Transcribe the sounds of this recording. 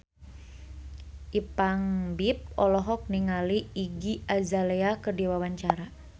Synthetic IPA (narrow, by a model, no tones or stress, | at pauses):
ʔipaŋbip̚ɔlɔɦɔk̚niŋaliːɡiazaleakərdiwawaɲt͡ʃaɾa